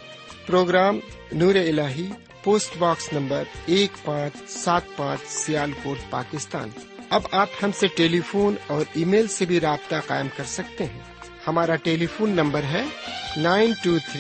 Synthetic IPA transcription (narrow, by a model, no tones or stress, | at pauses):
pɾoːɡɾaːm | nuːɾeɪlaːɦi | poːsʈbaːksnɐ̃mbəɾeːkpãːt͡ʃsaːt̪̚pãːt͡ʃsɪjaːlkoːɾt̪̚pa̰ːkɪst̪a̰ːn | ɐbaːphɐmseʈeːlifʰoːnɔːɾiːmeːlsebʱiɾaːb̚t̪aqa̰ːɪmkɐɾsɐk̚t̪eɦɛ̃ | hɐmaːɾaʈeːlifʰoːnːɐ̃mbəɾɦɛnaːɪnʈuːt̪ʰɾi